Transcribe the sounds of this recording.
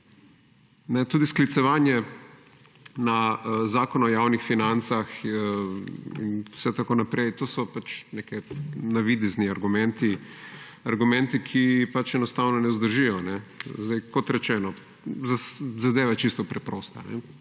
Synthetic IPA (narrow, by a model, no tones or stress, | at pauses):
nɛt̪uːd̪isklit̪sɛʋaːnjɛ | nazaːkɔnɔjawnixfinant̪sax | ḭnsɛt̪akonapɾɛjt̪oːsɔpat͡ʃnekɛnaʋid̪izniaɾɡumɛ̃nt̪i | aɾɡumɛ̃nt̪ikʰipat͡ʃɛnɔst̪aːwnɔnɛuzd̪əɾʒijɔnɛzd̪ajkɔt̪ɾɛt͡ʃɛːnɔ | zazad̪eːʋat͡ʃist̪ɔpɾɛpɾɔst̪anɛ̰